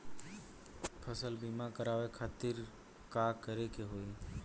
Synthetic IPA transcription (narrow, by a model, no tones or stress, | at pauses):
pʰəsəlbimakəɾaʋekʰat̪iɾ | kakəɾekeɦoi